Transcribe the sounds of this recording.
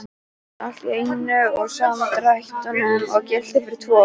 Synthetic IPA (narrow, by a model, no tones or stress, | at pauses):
at̪ejnʏɔɣsaːmat̪ɾajht̪ʏnʏmɔcɛlt̪ɪfɪɾt̪ʰɔ